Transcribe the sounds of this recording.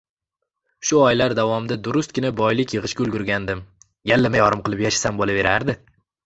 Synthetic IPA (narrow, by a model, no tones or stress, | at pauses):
ʃʊɒjlaɾd̪avɒmd̪ad̪ʊɾʊst̪̚kʲɪnabɒjlɪkʲjɨʁɨʃkʲaʊlˠɡʲʊɾɡʲand̪ɪm | jalːamajɒɾɪmqɨlˠɪpjaʃḁsambolave̞ɾaɾd̪ɪ